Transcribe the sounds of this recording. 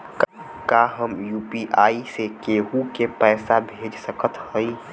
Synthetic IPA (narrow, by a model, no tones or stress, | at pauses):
k | kaɦəmjuːpiʔaːisekeːɦukepɛːsabʱeːd͡ʒsəkʰət̪hoi